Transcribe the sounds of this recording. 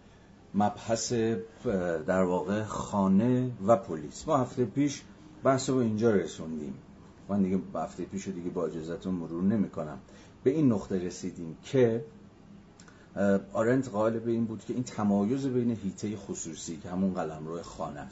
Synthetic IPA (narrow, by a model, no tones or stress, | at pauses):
mæb̥hæse̞ | d̪æɾvɒːɣexɒːne̞væpʰoliːsmɒːhæft̪e̞jepiːʃbæhsobeind͡ʒɒːɾesund̪ḭm | mænd̪iɡehæ̰ft̪e̞jepiːʃod̪iɡe̞bɒːe̞d͡ʒɒːzæt̪ʰunmoɾuːɾne̞miːkʰo̞næ̰m | b̥e̞inːoχt̪e̞ɾe̞siːd̪iːmcʰe̞ | ɒɾe̞nt̪ɢɒːe̞lebe̞iːnbuːd̪cʰe̞iːnt̪ʰæmɒːjo̞ze̞be̞jne̞ɦiːt̪ʰe̞jexosuːsiːcʰehæmunɢælæmɾɔːhexɒ̰ːneæs